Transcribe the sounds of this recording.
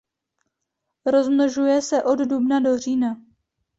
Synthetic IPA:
ɾo̞zmnoʒujɛsɛʔo̞ddubnado̞r̝iːna

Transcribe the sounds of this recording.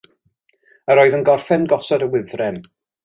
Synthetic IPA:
əɾoːɨðənɡɔrfɛnɡɔsɔdəwɪvrɛn

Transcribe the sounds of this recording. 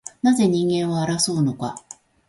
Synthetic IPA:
naze̞ɲ̟ĩŋɡẽ̞ɰ̃βaːɾaso̞ːnoka

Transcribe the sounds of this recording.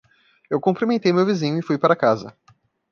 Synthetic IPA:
ewkõpɾimẽt̪ejmewvizĩɲʊɪfujpaɾɐkazɐ̰

